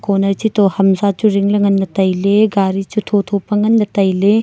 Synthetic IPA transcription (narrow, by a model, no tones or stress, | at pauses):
konɐɾt͡ʃitohɐmzat͡ʃuɾiŋlɐŋɐnːɐtɐjleɡaɾit͡ʃutʰotʰopɐŋɐnːɐtɐjle